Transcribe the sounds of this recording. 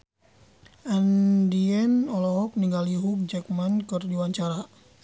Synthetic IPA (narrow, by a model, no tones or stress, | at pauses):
ʔandiɛnɔlɔɦɔk̚niŋɡaliɦuk̚d͡ʒɛk̚mankɨrdiwaɲt͡ʃaɾa